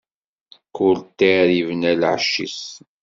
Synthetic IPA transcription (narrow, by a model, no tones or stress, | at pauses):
kʊlt̪ːaɾivənælʕəʃːḭs